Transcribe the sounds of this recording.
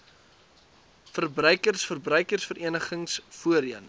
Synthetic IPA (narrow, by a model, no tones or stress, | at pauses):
fərbrœɥkərsfərbrœɥkərsfəɾiənəχəŋsfuəɾin